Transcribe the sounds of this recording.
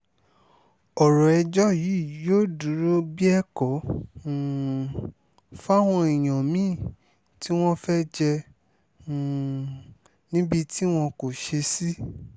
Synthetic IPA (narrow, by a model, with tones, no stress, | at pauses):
ɔ˨ɾɔ˨ɛ˧d͡ʒɔ˦ji˨˦˨joː˦˨du˨˦ɾo˦bi˦ɛ˦kɔ̃˨˦˨ | fa˦w̃ɔ̃˧i˨j̃ɔ̃˨mĩ˦˨ | ti˦w̃ɔ̃˦fɛ˦d͡ʒɛ̃˧˨ | nĩ˦bi˧ti˦w̃ɔ̃˧ko˨ʃe˧si˦